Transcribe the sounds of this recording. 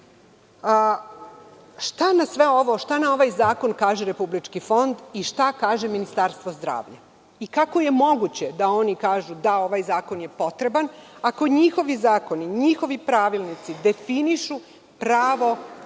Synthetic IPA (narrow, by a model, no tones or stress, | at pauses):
ʃt̪anasʋe̞o̞ʋo̞ʃt̪anao̞ʋajzaːko̞nkaːʒeɾe̞publit͡ʃkifo̞nd̪iʃt̪akaːʒeminist̪aɾst̪ʋozd̪ɾa̰ːʋʎa | ikako̞je̞mo̞ɡut͡ɕe̞d̪ao̞nikaːʒud̪ao̞ʋajzaːko̞nje̞po̞t̪ɾe̞banako̞ɲixo̞ʋizaːko̞niɲixo̞ʋipɾaʋilˠnit̪sid̪e̞finiʃu | pɾaːʋo̞